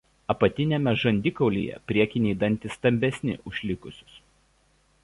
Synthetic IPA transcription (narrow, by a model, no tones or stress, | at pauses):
ɐpɐt̪ʲɪnʲɛmʲɛʒɐnʲd̪ʲɪkɒʊlʲḭːjɛ̰pʲɾʲiɛkʲɪnʲɛɪd̪ɐnʲt̪ʲɪst̪ɐmʲbʲɛsʲnʲɪ̰ʔʊʃʲlʲɪkʊsʲʊ̥s